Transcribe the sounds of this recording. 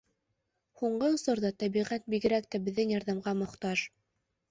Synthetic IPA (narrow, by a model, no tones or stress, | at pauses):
huɴɢɤ̆sɤ̆ɾðɑt̪æbiʁæt̪̚biɡɘ̆ɾæk̚t̪æbɘ̆ðːɘŋjɑɾðɑmʁɑmŏqt̪ɑʃ